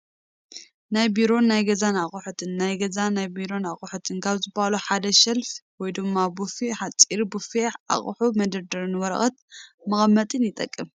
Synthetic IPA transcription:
najbiɾo̞nːajɡɐzanaχʼuħut̪ʰɨnːajɡɐzanajbiɾo̞naχʼuħut̪ʰɨnkʰaβzɨbahaluħad̪ɐʃɐlfwɔjd̪ɨmːabufiħat͡sʼiɾbufeʔa̰χʼħumɐd̪ɐɾd̪ɐɾɨnɨwɔɾɐ̰xʼɐt̪̚mɐxʼɐmːɐt̪ʼɨnjɪt̪ʼɐkʼːɨm

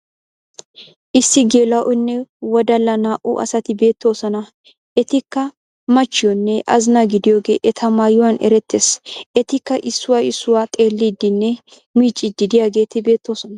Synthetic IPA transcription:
ʔɪsːɪɡeːlɐʔɔnːɛwɔd̪ɐlːɐnaːʔʊ̰ʔɐ̰sɐt̪ɪbe̞ːt̪ːo̞ːsɔnɐ | ʔɛt̪ɪkːɐ | mɐt͡ʃːɪjɔnːɛʔɐzɪnɐɡɪd̪ɪjo̞ːɡe̞̰ːʔɛt̪ʰɐmaːjʊwanʔɛ̰ɾɛt̪ːeːsʔɛt̪ɪkːɐʔɪsːʊwaɪsːʊwaːt̪ʼeːlːiːd̪ɪnːɛ | miːt͡ʃʼːɪd̪ɪd̪ɪjaːɡe̞ːt̪ɪbe̞ːt̪ːo̞ːsɔnɐ

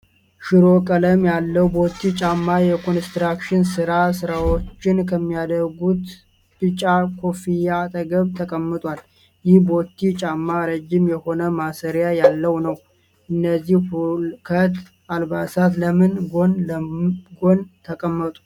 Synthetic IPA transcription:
ʃɪɾo̞kʼələmjalːəwbo̞t̪ʰːit͡ʃʼamːajɛkʰo̞nst̪ɾakʃɪnsɨɾasɨɾawo̞t͡ʃːɪnkʰəmːijad̪əɾɡut̪ | ɨt͡ʃʼakʰo̞fijat̪ʼəɡəβt̪ʰəkʼəmːɨt̪ʼwal | jɪhbo̞t̪ʰːit͡ʃʼamːaɾəd͡ʒːɪmjɛho̞nəmasəɾjajalːəwnəw | ʔɨnːəzːihhulkʰət̪ | ʔalbasat̪ləmɨnɡon | ɡo̞nt̪ʰəkʼəmːət̪ʼu̥

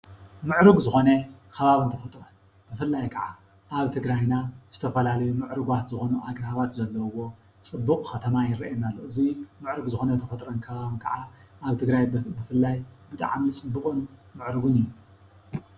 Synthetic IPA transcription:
mɨʕɾɨɡzɨxo̞nekʰɐβaβɨnt̪ʰɐfɐt̪ʼɾon | bɨfɨlːajkʰɐʕa | ʔaβt̪ʰɨɡɾajnaz̥ɨt̪ʰɐfɐlalɐjumɨʕɾɨɡwat̪zɨxo̞nuʔaɡɾhaβat̪zɐlːɐwo̞ | t͡sʼɨbːuqʼxɐt̪ʰɐmajɪɾɐʔnalːoʔɨzimɨʕɾɨɡzɨxo̞nɐnt̪ʰɐfɐt̪ʼɾonkʰɐβaβɨnkʰɐʕa | ʔaβt̪ʰɨɡɾajbɨfɨlːajbɨt̪ʼa̰ʕmit͡sʼɨbːɨχʼɨnmɨʕɾɨɡunɨjːu

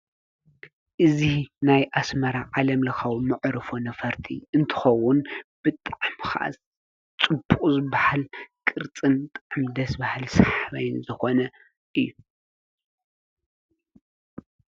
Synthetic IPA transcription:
ʔɨzinajʔasmɐɾaʕalɐmlɐxawmɨʕɾɨfonɐfɐɾt̪ʰḭɨnt̪ʰɨ̥xɐwʊnb̥ɨt̪ʼaʕmxa̰ʔ | t͡sʼɨbːukʼzɨβahalkʼɨɾt͡sʼɨnt̪ʼaʕmd̪ɐsbahɨlsaħβajnzɨxo̞nɐ | ʔɨjːu

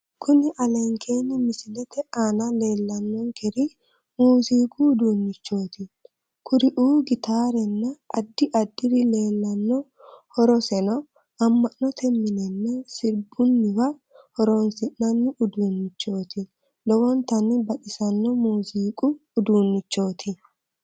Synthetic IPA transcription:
kʰʊnɪʔɐlɛŋkʰeːnːɪmɪsɪlɛt̪ɛʔaːnɐle̞ːlːɐnːɔŋkʰɛɾɪ | muːziːkʼʊːd̪uːnːɪt͡ʃːo̞ːt̪ɪ | kʰʊɾɪʔuːɡɪt̪aːɾɛnːɐɐd̪ːɪʔɐd̪ːɪɾɪle̞ːlːɐnːɔ | hɔɾɔsɛnɐ | ɐmːɐnːɔt̪ʰɛmːɪnɛnːɛsɪɾbʊnːɪwɐ | hɔɾoːnsɪnːɐnːɪʔʊd̪uːnːɪt͡ʃːo̞ːt̪ɪ | d̪ɔwɔnt̪ɐnɪbɐᶑɪsɐnːɔmuːziːkʼʊːd̪uːnːɪt͡ʃːo̞ːt̪ʰɪ

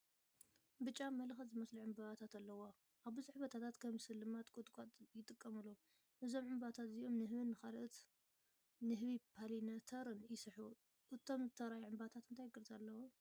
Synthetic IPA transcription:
bɨt͡ʃʼːamɐlxɐt̪zɨmɐsliʕɨmbaβat̪ʰat̪alːɐwo | ʔaβbɨzɨħβɐt̪ʰat̪ʰat̪kʰɐmsɨlːɨmat̪kʼʊt̪ʼkʼat̪ʼjɪt̪ʼɨkʼːɐmɨlːo | ʔɨzo̞mʕɨmbat̪ʰat̪zɨjo̞mnɨɦɨβɨnːɨxalʔɨt̪ | nɨɦɨβipʰalinɐt̪ʰɐɾɨnjɪsɨħu | ʔɨt̪ʰo̞mt̪ʰɐɾajʕɨmbat̪ʰat̪ɨnt̪ʰajɡɨɾzalːɐwo

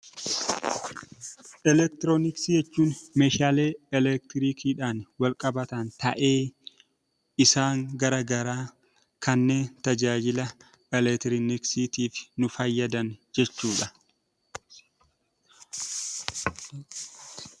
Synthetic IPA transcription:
ʔɛlɛk̚t̪ɪɾoːnɪksɪjɛt͡ʃːuːnmeːʃaːle̞ːɛlɛk̚t̪ɪɾiːkʰiːᶑaːnwɐlkʼɐbɐt̪ɐnt̪ɐʔe̞ː | ɪsaːŋɡɐɾɐɡɐɾaː | kʰɐnːe̞ːnt̪ɐd͡ʒaːd͡ʒɪlɐ | ɛlɛt̪ɪɾɪnɪksit̪iːfnʊfɐjːɐd̪ɐnd͡ʒɛt͡ʃːuːᶑɐ

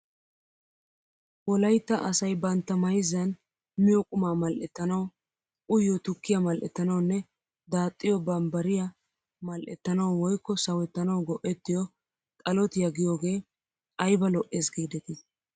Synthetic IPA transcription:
wɔlɐjt̪ːɐʔɐsɐjbɐnt̪ːɐmɐjɪzɐn | mɪjɔkʼʊmaːmɐlʔɛt̪ːɐnɐw | ʔʊjːɔt̪ʊkːɪjɐmɐlʔɛt̪ːɐnɐwʊnːɛ | d̪aːt̪ʼːɪjɔbɐmbɐɾɪja | mɐlʔɛt̪ːɐnɐwwɔjkːɔsɐwɛt̪ːɐnɐwɡɔʔɛt̪ːɪjɔ | kʼɐlɔt̪ɪjɐɡɪjoːɡe̞ː | kʼɐjbɐlɔʔːeːsɡiːd̪ɛt̪ɪ

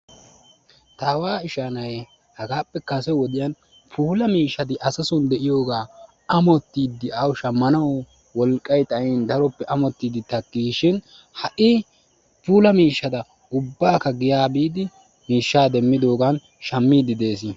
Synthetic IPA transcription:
t̪aːwaːɪʃaːnɐj | hɐɡaːpːɛkɐsɛwɔd̪ɪjɐn | pʰuːlɐmiːʃːɐt̪ɪʔɐsɐsʊnd̪ɛʔɪjo̞ːɡaː | ɐmɔt̪ːiːd̪ːɪʔɐwʃɐmːɐnɐw | wɔlkʼːɐjt̪ʼɐɪnd̪ɐɾɔpːɛʔɐmɔt̪ːiːd̪ɪt̪ɐkːiːʃɪn | hɐʔɪ | puːlɐmiːʃːɐd̪ɐ | ʊbːaːkɐɡɪjaːbiːd̪ɪ | miːʃːaːd̪ɛmːɪd̪o̞ːɡɐn | ʃɐmːiːd̪ɪd̪e̞ːsɪ

